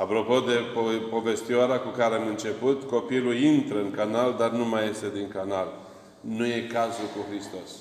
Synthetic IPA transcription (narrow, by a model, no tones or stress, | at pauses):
apɾo̞po̞d̪e̞popo̞ve̞st̪ioaɾeakukaɾeamɨnt͡ʃe̞put̪ko̞pilujint̪ɾəɨŋkanald̪arnumajːe̞st̪e̞d̪iŋkanal | nuje̞kazulkuxɾist̪o̞s